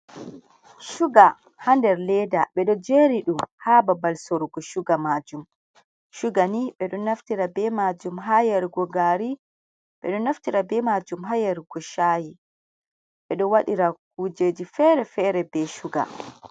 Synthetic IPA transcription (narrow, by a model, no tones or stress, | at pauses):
ʃuɡa | handɛɾlɛdaɓɛɗɔd͡ʒeɾiɗumhaːbabalsoɾɡɔʃuɡamad͡ʒum | ʃuɡaniɓɛɗɔnaftiɾabɛmad͡ʒumɦajaɾɡɔɡaɾi | ɓɛɗɔnaftiɾabɛmad͡ʒumɦajaɾɡ̥ɔʃaːji | ɓɛɗɔwaɗiɾak̚uːd͡ʒed͡ʒifɛɾɛfɛɾɛbɛʃuɡa̰